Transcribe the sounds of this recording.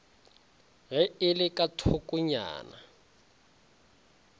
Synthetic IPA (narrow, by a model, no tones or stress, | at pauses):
ɣɛɪlɪkʼatʰʊkʼʊɲa̰ːna